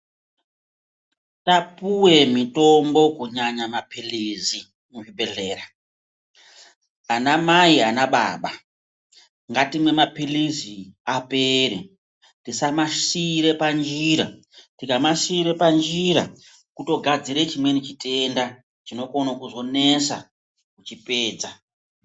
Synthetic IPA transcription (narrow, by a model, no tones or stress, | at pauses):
tapuwe̞mito̞mbo̞kuɲaɲamapilizi | muʐibʱe̞ɮeːɾa | anamaianaɓa̰ːɓa | ŋɡatimwe̞mapiliziape̞ɾe | tisamasiɾe̞pand͡ʒiɾa̰ | tikamasiːɾe̞pand͡ʒiɾa̰ | kuto̞ɡʱad͡ziɾet͡ʃimwe̞nit͡ʃite̞nda | t͡ʃino̞ko̞nakuzo̞ne̞sa̰ | kut͡ʃipe̞ːd͡za